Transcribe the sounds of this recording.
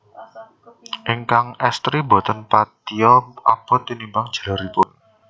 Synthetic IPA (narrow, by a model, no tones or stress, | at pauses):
ʔiŋkaŋɛst̪ɾibɔ̤t̪ənpat̪iɔʔa̰pɔt̪inimbaŋ̥d͡ʒ̥a̤laɾipʊn